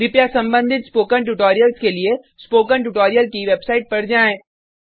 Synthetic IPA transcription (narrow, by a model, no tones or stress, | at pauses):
ɾɪpjasɐ̃mbə̃nd̪ʱɪt̪spoːkənʈ̬uʈoːɾijəlskelie | spoːkənʈ̬uʈoːɾijəlkiʋeːbsaːɪʈ̚pɐɽd͡ʒaːẽː